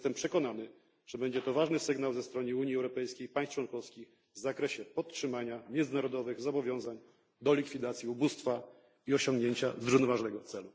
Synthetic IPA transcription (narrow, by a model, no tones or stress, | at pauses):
st̪ɛmpʂɛkɔn̪anɘ | ʐ̥ɛbɛɲd͡ʑɛt̪ɔvaʐnɘsɘɡnawzɛst̪ɾɔnɘuɲiɛwɾɔpɛjskʲejpaj̃s̚t͡ʂwɔnkɔfskʲix | vzakɾɛɕɛpɔt̪tʂɘmaɲamʲjɛnd̪zɘnaɾɔd̪ɔvɘɣzɔbɔvʲjɔ̃w̃zaɲ | d̪ɔlʲikfʲid̪at̪sʲjiubust̪fa | iɔɕɔ̃ŋɡɲeɲt͡ɕazɾuvnɔvaʐnɛɡɔt̪sɛlu